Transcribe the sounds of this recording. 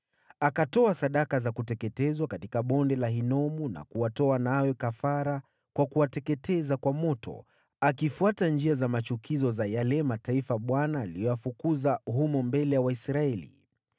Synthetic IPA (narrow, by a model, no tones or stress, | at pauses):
akatɔasaɗakazakutɛkɛtɛzwakatikaɓɔndɛlaɦinɔmuna̰kuwatɔanawɛkafaɾa | kwakuwatɛkɛtɛzakwamɔtʰɔ̰ | akifuatand͡ʒiazamat͡ʃukizɔzajalɛmataifaɓwanaːlijɔwafukuzaɦumɔmbɛlɛjawaisɾaɛlḭ